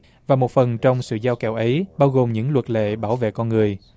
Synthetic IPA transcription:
vaː˨˩mo˨˩t̚fə˨˩nt͡ɕɔ˧wŋ͡msɨ̰˧˨zaː˧wkɛ˧˩wʔə˨˦jɓaː˧wɣo˨˩mɲɨ̰˧˥ŋlwə˨˩t̚lḛ˧˨ɓaː˧˩wvḛ˧˨kɔ˧nŋɨ˨˩əj

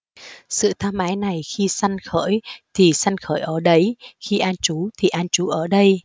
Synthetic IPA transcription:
sɨ̰˧˨t̪ʰaː˧mʔaː˨˦jna˨˩jxi˧sa˧jŋ̟xəː˧˥˨jt̪ʰi˨˩sa˧jŋ̟xəː˧˩jʔəː˧˩ɗə˨˦jxi˧ʔaː˧nt͡ɕu˨˦t̪ʰi˨˩ʔaː˧nt͡ɕu˨˦ʔəː˧˩ɗə˧j

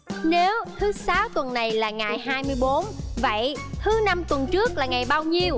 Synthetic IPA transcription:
ne˨˦wt̪ʰɨ˨˦saː˨˦wt̪wə˨˩nːa˨˩jlaː˨˩ŋa˨˩jɦaː˧jmɨ˧əjɓo˨˦nvə̰˧˨jt̪ʰɨ˨˦na˧mt̪wə˨˩nt͡ɕɨ˦˥ək̚laː˨˩ŋa˨˩jɓaː˧wɲi˧əw

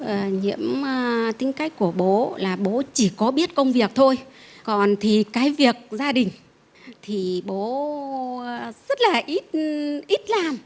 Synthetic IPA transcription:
ʔəː˨˩ɲḭ˧˥əmː˧t̪ï˨˦ŋ̟ka˦˥jk̟̚ku˧˩əɓo˨˦laː˨˩ɓo˨˦t͡ɕi˧˩kɔ˨˦ɓi˦˥ət̚kə˧wŋ͡mvi˨˩ək̚t̪ʰo˧jkɔ˨˩nt̪ʰi˨˩kaː˨˦jvi˨˩ək̚zaː˧ɗï˨˩ŋ̟ | t̪ʰi˨˩ɓo˨˦ | z̥ə˦˥t̚laː˨˩ʔi˦˥t̚ʔi˦˥t̚laː˨˩m

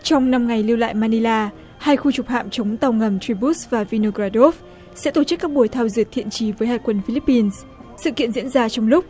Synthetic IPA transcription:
t͡ɕɔ˧wŋ͡mna˧mŋa˨˩jli˧wla̰ː˧˨jmaː˧ni˧laː˧ | haː˧jxu˧t͡ɕʊ˨˩k͡p̚ha̰ː˧˨mt͡ɕə˨˦wŋ͡mt̪a˨˧˩wŋə˨˩mt̪ɾi˧ɓu˦˥svaː˨˩vi˧no˧ɣɾaː˧ɗo˦˥f | sɛ̰˧˥t̪o˧˩t͡ɕɨ˦˥kːaː˦˥k̚ɓu˧˩əjt̪ʰaː˧wzɨ˨˩ət̚t̪ʰḭ˧˨ənt͡ɕi˨˦vəː˨˦jhaː˧˩jkwə˧nfi˧li˦˥pːi˧n | sɨ̰˧˨kḭ˧˨ənzḭ˧˥ənzaː˧t͡ɕɔ˧wŋ͡mlʊ˦˥k͡p̚

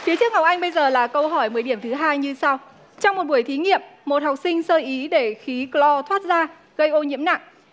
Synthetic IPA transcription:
fi˨˦t͡ɕɨ˦˥ək̚ŋa˨˩wk͡p̚ʔa˧jŋ̟ɓə˧jzəː˨˩laː˨˩kə˧wɦɔ˧˩jmɨ˨˩əjɗi˧˩əmt̪ʰɨ˨˦ɦaː˧jɲɨ˧sa˧w | t͡ɕɔ˧wŋ͡mmo˨˩t̚ɓu˧˩əjt̪ʰi˨˦ŋḭ˧˨əmːo˨˩t̚hwk͡p̚sï˧ŋ̟səː˧ʔi˨˦ɗe˧˩xi˨˦klɔ˧t̪ʰwaː˦˥t̚zaː˧ | ɣə˧jʔo˧ɲḭ˧˥əmna̰˧˨ŋʔ

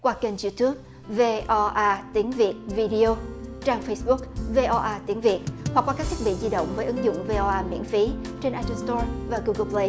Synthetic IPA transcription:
kwaː˧ke˧ŋt͡ɕḭ˧t̪u˦˥ək̚ | ve˧ʔɔ˧ʔaː˧t̪i˨˦əŋvi˨˩ət̚vi˧ɗi˧o˧t͡ɕaː˧ŋfə˧jsɓʊ˦˥k̚ve˧ʔɔ˧ʔaː˧t̪i˨˦əŋvi˨˩ət̚hwa˨˩k̚waː˧kaː˦˥k̚t̪ʰk̚ɓḭ˧˨zi˧ɗə̰˧˨wŋ͡mvəː˨˦jʔɨ˨˦ŋzʊ̰˧˨ŋ͡mve˧ʔɔ˧ʔaː˧mḭ˧˥ənfi˨˦t͡ɕe˧nʔa˧t̪ə˧st̪ɔ˧vaː˨˩ɣu˧ɣə˧ple˧j

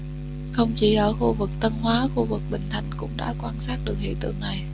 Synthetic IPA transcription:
xə˧wŋ͡mt͡ɕi˧˩ʔəː˧˩xu˧vɨ˨˩k̚t̪ə˧nɦwaː˨˦xu˧vɨ˨˩k̚ɓï˨˩ŋ̟t̪ʰa˨˩jŋ̟kʊ̰˧˥ŋ͡mɗa̰ː˧˥kwaː˧nsaː˦˥t̚ɗɨ˨˩ək̚hḭ˧˨ət̪ɨ̰˧˨əŋna˨˩j

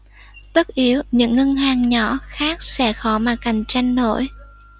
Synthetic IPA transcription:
t̪ə˦˥k̚ʔi˨˦əwɲɨ̰˧˥ŋːə˧ŋɦaː˨˩ŋɲɔ˧˥xaː˦˥k̚sɛ̰˧˥xɔ˧˦maː˨˩ka˨˩jŋ̟t͡ɕa˧jŋ̟no̰˧˥j

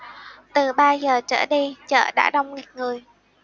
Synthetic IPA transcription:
t̪ɨ˨˩ɓaː˧zəː˨˩t͡ɕə̰ː˧˩ɗi˧t͡ɕə̰ː˧˨ɗa̰ː˧˥ɗə˧wŋ͡mŋi˨˩t̚ŋɨ˨˩əj

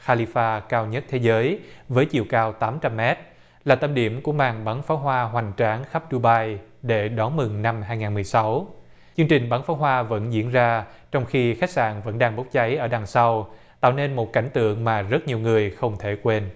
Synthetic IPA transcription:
xaː˧li˧faː˧kaː˧wɲə˦˥t̚t̪ʰe˨˦zəː˨˦jvəː˨˦jt͡ɕḭ˧˨əwkaː˧wt̪aː˨˦mt͡ɕa˧mːɛ˦˥t̚ | laː˨˩t̪ə˧mɗi˧˩əmku˧˩əmaː˨˩ŋɓa˨˦nfaː˨˦wɦwaː˧ɦwa˨˩ŋ̟t͡ɕaː˨˦ŋxa˦˥p̚ɗu˧ɓaː˧jɗe˧˩ɗɔ˨˦nmɨ˨˩ŋna˧mɦaː˧jŋaː˨˩nmɨ˨˩jsa˨˦w | t͡ɕɨ˧əŋt͡ɕï˨˩ŋ̟ɓaː˨˦nfaː˨˦wɦwaː˧və̰˧˥nzḭ˧˥ənzaː˧ | t͡ɕɔ˧wŋ͡mxi˧xa˦˥k̚sa̰ː˧˨nvə̰˧˥nɗaː˧ŋɓo˦˥t̚t͡ɕa˨˦jʔəː˧˩ɗaː˨˩ŋsa˧wt̪a̰ː˧˨wne˧nmo˨˩t̚ka˧˩jŋ̟t̪ɨ̰˧˨əŋmaː˨˩zə˦˥t̚ɲi˨˩əwŋɨ˨˩əjxə˧wŋ͡mt̪ʰe˧˩kwe˧n

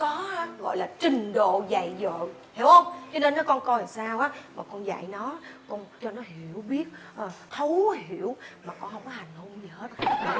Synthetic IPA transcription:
kɔ˨˦a˧ɣɔ̰˧˨jlaː˨˩t͡ɕï˨˩ŋ̟ɗo̰˧˨za̰˧˨jzo̰˧˨j | hi˨˧˦əwhə˧wŋ͡mt͡ɕɔ˧ne˧nːɔ˨˦jkɔ˧nkɔ˧la˨˩saː˧wʔaː˨˦maː˨˩kɔ˧nza̰˧˨jnɔ˨˦kɔ˧nt͡ɕɔ˧nɔ˨˦hi˧˩əwɓi˦˥ət̚ʔəː˨˩t̪ʰə˨˦whi˧˩əwmaː˨˩kɔ˧nhə˧wŋ͡mkɔ˨˦ha˨˩jŋ̟ho˧mzə˨˩he˦˥t̚ː

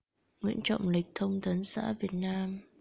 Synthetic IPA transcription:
ŋwḭ˧˥ənt͡ɕɔ̰˧˨wŋ͡mli˨˩k̟̚t̪ʰə˧wŋ͡mt̪ə˨˦nsa̰ː˧˥vi˨˩ət̚naː˧m

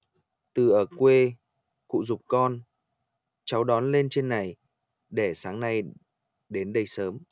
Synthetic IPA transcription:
t̪ɨ˨˩ʔəː˧˩kwe˧ | kṵ˧˨zʊ˨˩k͡p̚kɔ˧n | t͡ɕa˨˦wɗɔ˨˦nle˧nt͡ɕe˧nːa˨˩j | ɗe˧˩saː˨˦ŋna˧j | ɗe˨˦nɗə˧jsəː˨˦m

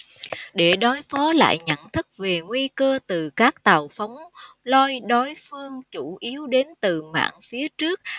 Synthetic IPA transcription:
ɗe˧˩ɗɔ˨˦jfɔ˨˦la̰ː˧˨jɲə̰˧˨nt̪ʰɨ˦˥k̚ve˨˩ŋwi˧kəː˧t̪ɨ˨˩kaː˦˥k̚t̪a˨˩wfa˨˦wŋ͡m | lɔ˧jɗɔ˨˦jfɨ˧əŋt͡ɕu˧˩ʔi˨˦əwɗe˨˦nt̪ɨ˨˩ma̰ː˧˨ŋfi˨˦ət͡ɕɨ˦˥ək̚

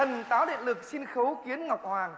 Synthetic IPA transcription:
ə˨˩nt̪aː˨˦wɗḭ˧˨nlɨ˨˩k̚si˧nxə˨˦wki˨˦ənŋa˨˩k͡p̚hwaː˨˩ŋ

